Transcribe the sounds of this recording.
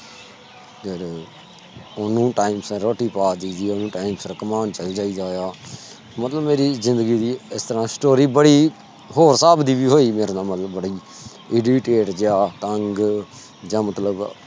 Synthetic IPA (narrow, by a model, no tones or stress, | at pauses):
keɾ | onũːʈaːɪmsɾoːʈiːpaːd̪iːd͡ʒiːonũːʈaːimsɾəkəmaːnt͡ʃəld͡ʒaːiːd̪aːjaː | mət̪ləbmeːɾiːzɪ̃nd̪əɡiːd̪iːɪst̪əɾãːsʈoːɾiːbəɽiː | ɦoːɾsaːbd̪iːʋiːɦoːiːmeːɾaːnãːmət̪ləbːəɽiː | ɪɖiʈeːʈd͡ʒjaːt̪əŋɡ | d͡ʒãːmət̪ləb